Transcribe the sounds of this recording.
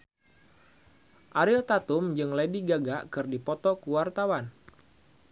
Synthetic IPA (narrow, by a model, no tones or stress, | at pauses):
ʔaɾilt̪at̪ʊmd͡ʒɨŋlediɡaɡaʔkɨrdipɔt̪ɔkuwart̪awan